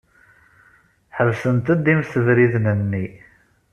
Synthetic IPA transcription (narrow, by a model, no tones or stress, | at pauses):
ħəvsənt̪əd̪imsəvɾiðnənːi